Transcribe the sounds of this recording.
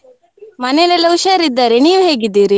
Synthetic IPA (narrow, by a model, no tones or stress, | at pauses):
mɐnelɐlɐwʃɐɾid̪ːɐɾeniːʋuɦeːɡid̪ːiːɾi